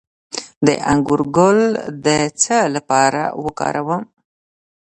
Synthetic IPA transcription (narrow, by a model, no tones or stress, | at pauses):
d̪ə̰ʔaŋɡuɾɡold̪ət͡səlapɑɾa̰wəkɑ̰ɾawəm